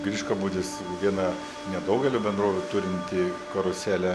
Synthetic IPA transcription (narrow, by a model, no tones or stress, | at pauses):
ɡɾʲiːʃkɐbuːd̪ʲɪs | ʋʲiɛnɐ | nʲɛd̪ɐʊɡʲɛlʲuːbʲɛnd̪ɾoːʋʲʊt̪ʊɾʲɪnʲt̪ʲɪkɐɾʊsʲæːlʲɛ